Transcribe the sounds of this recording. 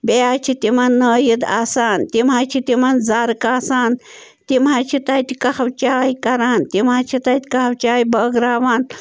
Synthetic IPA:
bejaːt͡ʃʰit̪imɐnːəːjid̪aːsaːnt̪imaːt͡ʃʰit̪imɐnzaːɾɨkaːsaːn | t̪imaːt͡ʃʰit̪aːt̪ikɐhɐwt͡ʃaːjikɐɾaːnt̪imaːt͡ʃʰit̪at̪ʲikɐhɐwt͡ʃaːjibəːɡɾaːʋaːn

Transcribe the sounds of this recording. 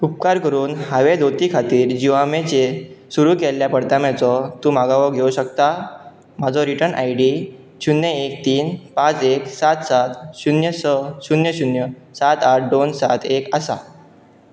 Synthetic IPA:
up̚kaɾkəɾuːnhaʋed̪ot̪ikʰat̪iːɾd͡ʑiʋamet͡ɕesuɾuːkɛlːjapəɽt̪amɛt͡sɔt̪ũmaɡaʋɔɡʱeuɕək̚t̪a | m̤ad͡zɔɾiʈənʔa̰jɖi | ɕunjəek̚t̪iːnpãt͡seksat̪sat̪ɕunjəsəɕunjəɕunjə | sat̪aʈ̚ʰd̪onsat̪ʰekasa̰

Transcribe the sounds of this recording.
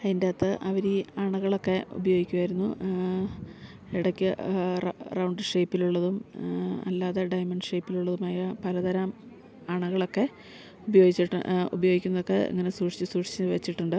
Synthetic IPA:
ɐindaːt̪ːɨʔɐʋɐɾiɐɳuɣɐɭo̞kːe̞ṵbɐjo̞ːɡikʲːuɣaːjiɾunːṵ | iɽɐkʲːɨ | rɐwɳɖʂejpːiluɭːɐðumɐ̰lːaːðeɖɐjmɐɳɖʂejpːiluɭːɐðumaːjɐpɐlɐd̪ɐɾaːm | ɐɳuɣɐɭo̞kːe̞ | ubɐjo̞ːɡit͡ɕːiʈːɨ̰ṵbɐjo̞ːɡikʲːunːɐðokːe̞ḭŋːɐne̞suːʂi̥t͡ɕːɨsuːʂi̥t͡ɕːʋɐt͡ɕːiʈːuɳɖɨ

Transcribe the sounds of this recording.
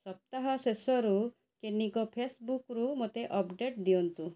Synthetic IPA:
sɔp̚t̪aɦɔsesɔɾu | kenikɔpʰesbukɾumot̪eʔɔpɖeʈd̪iɔnt̪ũ

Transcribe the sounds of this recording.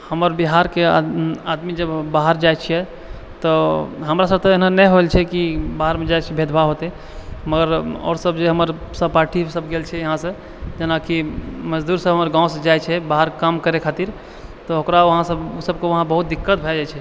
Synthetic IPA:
həməɾbiɦaɾkead̪mid͡ʒəbːaɦəɾd͡ʒajt͡ʃʰɛjɛ | t̪ɔɦəmɾasəb̚t̪ɔeɦnanɛɦoelt͡ʃʰɛkibaɦəɾmẽd͡ʒajt͡ʃʰɛbʱed̪ʱbʱaɦot̪ɛ | məɡəɾɔ̰ːɾsəbʱd͡ʒeɦəməɾ | səbpaʈʰisəbʱɡelt͡ʃʰɛjəɦãsə̃ | d͡ʒenakiməd͡ʒd̪uɾsəbʱɦəməɾɡãwsd͡ʒajt͡ʃʰɛbaɦəɾkamkəɾekʰat̪iɾ | t̪ɔɦokɾaʋəɦãsəbsəb̚keʋəɦãbəɦut̪̚d̪ikːət̪bʱɛd͡ʒajt͡ʃʰɛ

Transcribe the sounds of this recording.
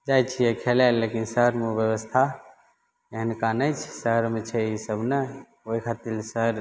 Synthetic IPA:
d͡ʒajt͡ʃʰijekʰelalːekinsəɦɾmeoʋjəwəst̪ʰa | eɦənkanəjt͡ʃʰsəɦɾmet͡ʃʰɛisəbʱne | oikʰat̪ilsəɾ

